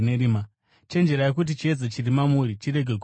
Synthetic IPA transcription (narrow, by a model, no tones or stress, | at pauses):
neɾima | t͡ʃe̞nd͡ʒeɾajekut̬it͡ʃie̞d͡zet͡ʃirimamuɾit͡ʃiɾe̞ɡʱe